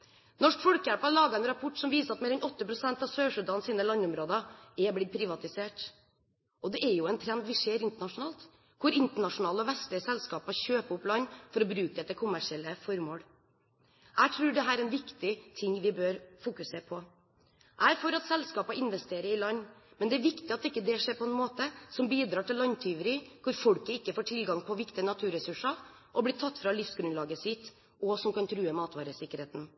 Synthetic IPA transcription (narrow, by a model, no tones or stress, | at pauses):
nɔʂkfɔɽkjæɽpɑlɑːɡɑɛnɾɑpʰɔʈːsɔmʋiːsəɾɑt̪meːɾɛnɔt̪ːəpʰɾʊsɛnt̪ɑʋsøːʂʉd̪ɑnsiːnəlɑnʊmɾoːd̪ɑɛblɪd̪̚pʰɾɪʋɑt̪ɪseːʈ | ɔd̪ɛʔɛɾjʊɛnt̪ʰɾɛnd̪ʋɪʂeːɾɪnt̪əɳɑʂʊnɑːlt̪ | kʰʊɾɪnt̪əɳɑʂʊnɑːlɔʋɛst̪lɪəsɛlskɑːpɑçøːpəʊplɑnːfɔɾɔbɾʉːkəd̪ɛt̪ːəkʰʊmːæʂɪɛlːəfɔɾmoːɽ | ʔæɪt̪ʰɾʉːɖɛɦæːɾɛɛnʋɪkt̪ɪt̪ʰɪŋʋɪbøːɾfukʉseːɾpʰɔ | ʔæɪfɔɾɑt̪sɛlskɑːpɑɪnʋɛst̪eːɾəɾɪlɑnːmɛnd̪ɛæɾʋɪkt̪ɪɑt̪d̪ɛɪkːəd̪ɛʂɛɪpʰɔɛnmoːt̪əsɔmbiːd̪ɾɑːʈɪlːɑnt̪ʰyːʋəɾɪkʊɾfɔɽkəɪkːəfoːʈʰɪlɡɑŋpʰɔʋɪkt̪ɪənɑt̪ʰʉːɾɛsʉʂɑ | ʔɔblɪːt̪ʰɑt̪ːfɾɑlɪfsɡɾʉnlɑːɡəsɪt̪ː | ɔsɔmkɑnt̪ʰɾʉːəmɑːt̪ʋɑːɾəsɪkːəɾheːt̪n̩